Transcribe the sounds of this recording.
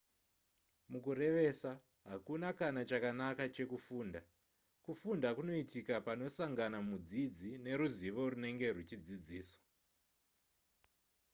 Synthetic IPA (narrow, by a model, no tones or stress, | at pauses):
mukuɾe̞ʋe̞sa | ɦakunakanat͡ʃakanakat͡ʃe̞kufuːnda | kufundakuno̞itikapano̞saŋɡanamud͡zid͡zine̞ɾuziʋo̞rune̞ŋɡe̞r̤ut͡ʃid͡zid͡ziːswo̥